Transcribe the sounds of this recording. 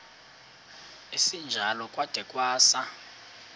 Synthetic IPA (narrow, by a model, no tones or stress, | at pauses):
esind͡ʒʱalɔkʼwad̥ʱɛkʼwaːsa